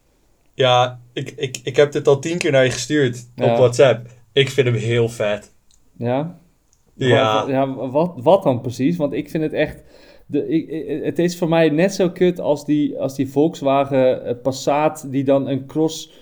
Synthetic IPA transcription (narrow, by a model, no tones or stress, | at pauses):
jaɪkɪkɪkhɛp̚dətɔlˠtinkɪːɹnajχəstyːɹtjɔwɔtsɛp̚ | ɪkfɪntəmɦɪəlˠfɛt | ja | ajaʋɔʋɔt̚ɔnprəsis̬ʋɔntɪkfɪndətɛχt | dəətɪsfoːmɛjnɛtsoːkʰøtʰɔ̰lˠsdiɔ̰lˠsdivolˠksʋaːɣəpasaːtdidɔnənkros